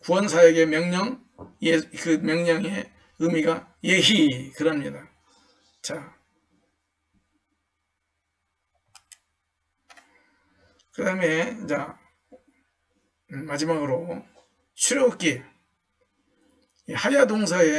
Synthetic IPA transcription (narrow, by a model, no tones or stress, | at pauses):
kuwʌns̬ʰajeɡe̞mjʌŋɲʌŋ | ekɯmjʌŋɲʌŋe | ɯmiɡa | jeɦikɯɾʌamɲida | t͡ɕa | kɯdaɦɯme̞id͡ʑa | mad͡ʑimaɡɯɾo | ɕʰuɾjok͈e | ihajadoŋs̬ʰae